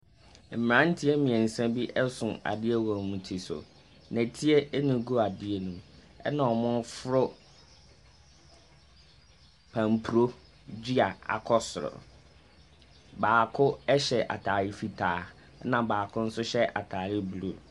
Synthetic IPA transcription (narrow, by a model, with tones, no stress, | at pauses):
m̩˨m̃˨ã˦n̩˦tʰɪ˦ɛ˦mĩ˨ɛ̃˨n̩˨sã˦bi˦ʔɛ˦sʊ̰̃˨a̰˨dɪ˦e˦wɔ̃˨mũ˨tʰi˨sʊ̰˨ | nɛ̃˨tʰi˦e˦ʔnĩ˨ɡu˦a˨dɪ˦e˦˨nũ˨ | ɛ̰˦nã˨ɔ˨mʊ̃˦fʊ˦ɾʊ˦ | pʰã˨mpʰu˨ɾo˦ | d͡ʑi˦a˨a̰˨kʰɔ˦sʊ˨ɾʊ̰˨ | baː˨kʰʊ˦ɛ˦ɕɛ˨ʔa̰˨tʰaː˨ɾɪ˦fi˨tʰaː˨˦ | nã˨baː˨kʰʊ˦n̩˦sʊ˦ɕɛ˦ʔa̰˨tʰaː˨ɾɪ˦blu˨